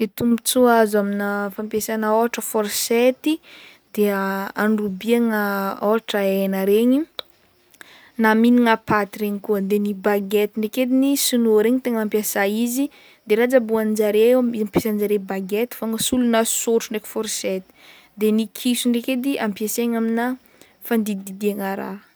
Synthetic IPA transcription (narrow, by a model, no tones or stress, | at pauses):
et̪umbit͡suazaminəfampjesanaoaʈ͡ʂəfɔɾset̪i | d̪̥eaanrubiaŋaoɦaʈ͡ʂaenəɾeɲi | naminiŋapat̪iɾeɲikuəd̪enibaɡet̪iɳɖ͡ʐeked̪inisunoɾeɲit̪eŋampjasaizi | d̪eɾad͡zabuanid͡ʒaɾeemizampesand͡zaɾebaɡet̪i̥faŋəsulunasoʈ͡ʂuɳɖ͡ʐeki̥fɔɾset̪i̥ | d̪enikʰisuɳɖ͡ʐeked̪iʔampiaseɲamina | fand̪id̪id̪iaŋaɾa̰